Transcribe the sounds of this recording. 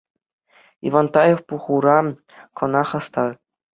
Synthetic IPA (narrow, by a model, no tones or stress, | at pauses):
ḭʋɑnt̪ɑjefpuχuɾɑ | kɤ̆nɑχɑst̪ɑr